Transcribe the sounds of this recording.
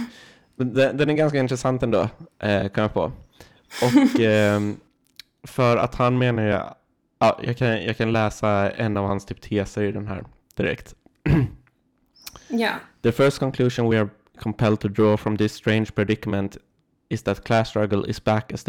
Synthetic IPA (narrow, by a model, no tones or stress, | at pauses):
mɛnd̪ɛd̪ɛnæɾɡanskaɪnt̪ɾɛsant̪ɛnd̪o̰ːʔkʰɔmːapʰo̰ː | ʔɔk | fœɾa̰t̪hanmeːnaɾ̰ | ɑ̰ːjɑ̰ːkʰanjɑ̰ːkʰanlɛːsaɛ̰nːavhanst̪ʰyːp̚t̪ʰeːsəɾɪd̪ɛnɦæ̰ːɾ | d̪̥ɪɾɛ̰kt̪ | jaðəfœɹʂst̪̚kʰɔŋkʰlʉːʃɔnwɪaɾ | kʰɔmpʰɛld̪̚t̪ʰʊd̪ɾɔːfɾɔmd̪ɪsːt̪ɾẽɪnd͡ʒpʰɛɖ̪ɪkmɛ̃nt̪ | ɪsðæt̪kʰlæst̪ɹaɡəlɪ̰sbækæs